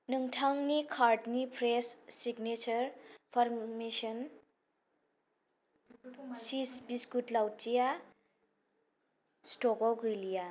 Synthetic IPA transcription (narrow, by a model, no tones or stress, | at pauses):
nɯŋʈʰaŋnikʰaɾʈnipʰɾesːiɡnet͡ʃʌɾpʰaɾmesən | sisbiskutlawtija | sʈoɡɔɡujlija